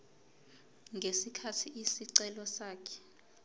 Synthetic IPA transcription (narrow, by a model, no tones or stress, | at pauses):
ŋɡʱesikʰatʰiʔisiǀɛlɔsaːkʰɛ̥